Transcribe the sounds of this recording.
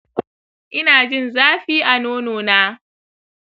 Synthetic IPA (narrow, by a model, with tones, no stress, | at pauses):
ʔɪ˦naː˨d͡ʒɪ˦˨nzaː˦ɸiː˦ʔa˨noː˦noː˨naː˦